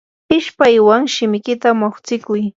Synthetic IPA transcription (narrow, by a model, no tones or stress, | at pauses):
ɪʃpajwaŋʃɪmɪkɪt̪amoχt͡sɪkʊj